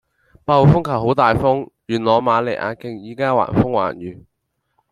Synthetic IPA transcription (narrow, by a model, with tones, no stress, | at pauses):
paː˧wo˨˩fʊ˥ŋkʰɐ˨˩wɦo˨˥wt̪aː˨jfʊ˥ŋjyː˨˩nlɔː˨˧maː˨˧lḛ˨˩jʔa̰ː˨˧kɪ˨ŋjiː˨kaː˥wa̰ː˨˩nfʊ˥ŋwa̰ː˨˩njyː˨˩